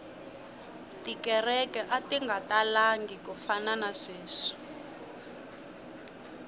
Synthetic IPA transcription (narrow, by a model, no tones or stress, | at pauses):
tikɛrɛkɛʔatiŋɡatalaŋɡikufananaʂeːʂi̥